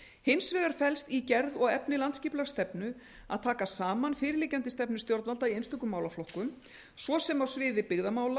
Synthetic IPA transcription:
hɪnsvɪːðaɾ̥fɛlst̪icɛɾðɔɣɛpnɪlant̪sciːplaɾ̥st̪ɛpnʏ | a̰ðt̪ʰaːkasaːmanfɪːɾɪliːcant̪ɪst̪ɛpnʏ̥st̪jɔɾt̪alt̪aiejnst̪ʏkʏmaːwlaflɔhkʏm | svɔsɛmawsvɪːðɪpɪɣðamaːwla

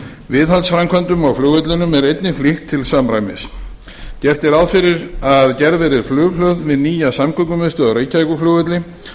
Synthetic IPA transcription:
vɪðhalsfɾamkʰvɛnt̪ʏmawflʏːɣœt̪lɪnʏmɛɾejt̪nɪflɪxt̪ʰːɪlsamɾajmɪ̰s | cɛft̪ɪɾaðfɪɾɪɾaððcɛɾðvɛːɾɪðflʏːlœwðvɪðniːjasamkʰʏkʏmɛst̪ʏɔɣɾeːjcːajkʏflʏːɣœt̪lɪ

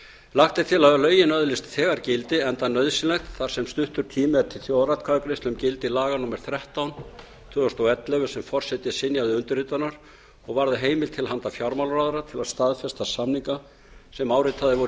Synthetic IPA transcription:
laxt̪ɪ̥t̪ʰɪlaðalœːɥjɪnœðlɪst̪θɛːɣaɾcɪlt̪ɪɛnt̪anːœðsɪnlɛxt̪θaɾ̥sɛmst̪ʏht̪ʏɾ̥t̪ʰiːmɪɾt̪ʰɪlθjoːwrat̪kʰakɾɪst̪ʏmcɪlt̪ɪilaːɣanʊmɛɾ̥θɾɛht̪awn | t̪ʰʏːɔst̪ɔwɛt̪lɛvʏsɛmfɔr̥sɛt̪jɪsɪnjawðɪʏnt̪ʏɾrit̪anaɾ̥ | ɔɣvaɾðɪɦeːjmɪlt̪ʰɪlɦant̪afjawɾmawlraðaɾat̪ʰɪlaðst̪aðfɛst̪asamniŋka | sɛmaːwɾɪt̪ʰaðɪvɔɾ

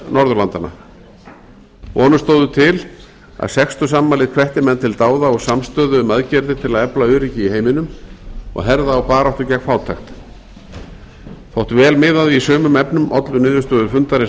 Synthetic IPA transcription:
nɔɾðʏlant̪ana̰ | vɔːnʏst̪oːwðʏt̪ʰɪl | a̰ðsɛkst̪ʏsamːalɪðkʰvɛht̪ɪmɛnːt̪ʰɪlt̪aːwðaɔɣsamst̪œːðʏːmaðcɛɾðɪt̪ʰɪlaðɛplaʏːɾiːcɪiheːjmɪnʏmɔ̰ɣɦɛɾðaːwpaːɾawht̪ʏcɛkfaːwt̪ʰaxt̪ | θowt̪vɛːlmɪːðaðʏisœːmʏmɛpnʏmʔɔ̰t̪lʏnɪːðʏst̪œːðʏɾfʏnt̪aɾɪ

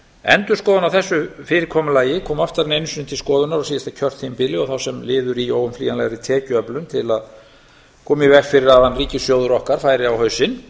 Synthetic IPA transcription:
ɛ̰nt̪ʏɾ̥skɔːðʏnawθɛsːʏfɪːɾɪɾkʰɔːmʏlaːjɪkʰɔːmaft̪aɾɛnejnsʏnʏɪt̪ʰɪlskɔːðʏnaɾasijast̪acʰœr̥t̪hempɪlɪɔɣθawsɛmlɪːðʏɾioːwʏmfliːanlajɣaɾit̪ʰɛːcʏœplʏnt̪ʰɪlað | kʰɔːmɪvɛkfɪɾɪɾavanriːcɪsjoːwðʏɾɔhkaɾ̥fajɾɪawhœɥsɪn

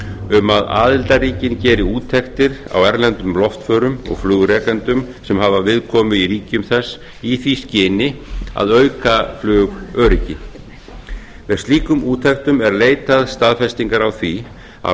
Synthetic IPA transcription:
ʏmaða̰ːðɪlt̪aɾiːcɪncɛːɾɪuːt̪ʰːɛxt̪ɪɾa̰wɛɾlɛnt̪ʏmlɔft̪fœːɾʏmɔ̰ɣflʏːɣɾɛːkɛnt̪ʏm | sɛmɦavavɪðkʰɔːmʏiɾiːcʏmθɛsː | iθviscɪːnɪa̰ðœɥkaflʏːɣœːɾicɪ | vɛðsiːkʏmuːt̪ʰɛxt̪ʏmɛɾleːjt̪aðst̪aːðfɛst̪iŋkaɾawθvi | a̰

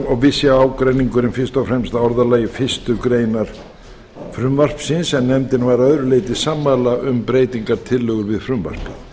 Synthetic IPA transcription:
ɔɣvɪsjaaːwkɾejniŋkʏɾɪnfɪr̥st̪ɔfɾɛmst̪aɔɾðalaːjɪfɪst̪ʏkɾeːjnaɾ̥ | fɾʏmvar̥psɪnsɛmnɛmt̪ɪnvaːɾaœðɾʏleːjt̪ɪsaːmːalaʔʏmpɾeːjt̪iŋkaɾt̪ʰɪlːœːɣʏɾvɪðfɾʏmva̰r̥pɪ

